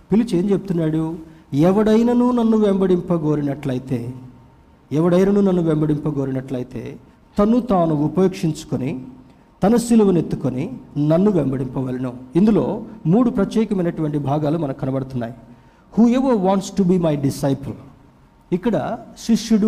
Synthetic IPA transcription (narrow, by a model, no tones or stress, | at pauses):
pilit͡ʃe̞ːɲd͡ʒepu̥t̪unːaːɽuɛʋɐɽɐjnɐnuːnɐnːuʋembɐɽimpɐɡo̞ːɾinɐʈlɐjit̪e̞ː | ɛʋɐɽɐjnɐnuːnɐnːuʋembɐɽimpɐɡoːɾinɐʈlɐjit̪e̞̰ː | t̪ɐnːut̪aːnuːpɐjoːkʂiɲt͡ʃu̥koni | t̪ɐnɐsilɐʋɐne̞t̪ːukoninɐnːuʋembɐɽimpɐʋɐːlɐnɐind̪ulo̞ːmuːɽupɾɐt̪jɛːkɐmɐjnɐʈuʋɐɳʈibʱaːɡaːlumɐnɐmkɐnɐbɐɽɐt̪unːa̰ːji | huːɛʋɐʋaːɳʈsʈubiːmɐjɖisɐjpɐl | ikːɐɽɐʃiʃjuɽ